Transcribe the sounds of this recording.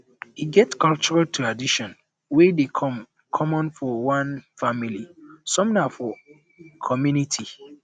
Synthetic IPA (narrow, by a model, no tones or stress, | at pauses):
hiɡɛtkɔlt͡ʃɔɹaltʰuadiʃɔ̃n | wedekʰm | kʰɔmɔ̃nfɔwãnfamilisɔ̃mnafɔ | kʰɔmjunitʰi